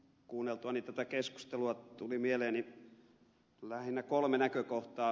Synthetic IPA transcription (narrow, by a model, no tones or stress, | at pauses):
kuːnːelt̪uɑnit̪æt̪ækesku̥st̪eluɑt̪ulimieleːnni | læhinːˑækolmenækøkoht̪ɑː